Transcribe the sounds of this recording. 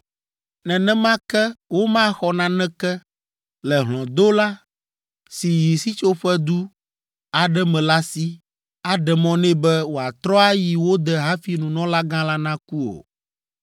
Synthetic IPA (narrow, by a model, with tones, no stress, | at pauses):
nɛ̃˨nɛ̃˦mã˦kɛ˦wo˦mã˦˨xɔ˨nã˦nɛ̃˦kɛ˦ | lɛ˨ɦlɔ̃˨d̪o˦la˦ | si˨ji˨si˦t͡ʃo˦ɸɛ˦d̪u˦ | a˨ɖɛ˦mɛ̃˨la˦si˦ | a˨ɖɛ˨mɔ̃˦nɛ̃˦bɛ˦wo˨a˨t̪ɾɔ˦a˦ji˨wo˦d̪ɛ˨ɦã˦fi˨nũ˨nɔ̃˦la˦ɡã˦la˦nã˦ku˦o̰˨